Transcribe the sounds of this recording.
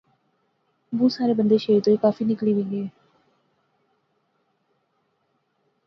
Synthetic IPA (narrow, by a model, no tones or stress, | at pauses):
bũːsaːɾeːbənd̪eːʃəit̪oːiːkaːfiːnɪkliːʋɪ̃ŋɡeː